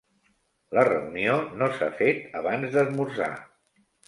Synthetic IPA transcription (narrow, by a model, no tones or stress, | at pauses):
lərəunionosa̰fet̪əβanzd̪əzmursa̰